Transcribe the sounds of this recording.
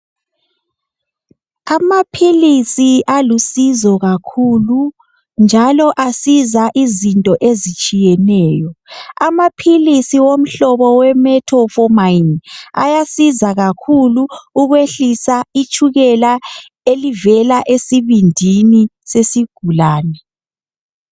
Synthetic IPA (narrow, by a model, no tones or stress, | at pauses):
amapʰilisiʔalusizɔɣakʰulu | nd͡ʒʱalɔʔasizaʔizintʼɔʔezit͡ʃʼijɛnɛːjɔamapʰilisiwom̩ɬɔβɔwɛmɛtʰɔfɔmaina̰jasizaɣakʰuluːɣweɬisait͡ʃʰʼuɣɛla | elivɛlaʔesiβindʱini | sesiɡ̥ʱulaːnɛ